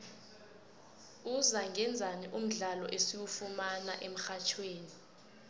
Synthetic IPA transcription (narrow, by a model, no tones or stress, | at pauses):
uzaŋʱɛnd͡zʱaniʔum̩ɮalɔ̰ʔesiwufumanaʔem̩xat͡ʃʰweːni